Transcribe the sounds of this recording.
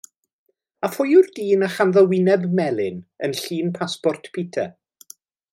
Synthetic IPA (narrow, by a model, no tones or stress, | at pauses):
afʊjʊrdiːnaχanðɔwɪnɛbmɛlˠɪnənɬiːnpʰaspɔrtʰpʰiːtʰɛ̰